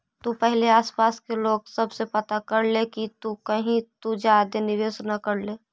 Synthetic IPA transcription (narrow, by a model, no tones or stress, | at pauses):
t̪upəɦleaːspaːskeloːɡsəbsepət̪akəɾlekit̪ukəɦĩt̪ud͡ʒad̪enɪʋeːsnəkəɾleː